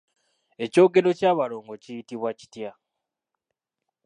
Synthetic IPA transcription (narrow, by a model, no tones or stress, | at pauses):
e̞co̞ːɡe̞lo̞caːβaɾo̞ːŋɡo̞cijitiβwaci̥tja